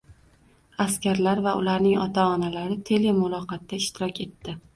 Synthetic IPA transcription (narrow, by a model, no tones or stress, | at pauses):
askʲaɾlaɾvaʔʊlaɾnɪŋɒt̪ʰaɒnalaɾɪt̪ʰe̞le̞mʊlˠɒqɑt̪ːaɪʃt̪ɪɾɒkʲe̞t̪ːɪ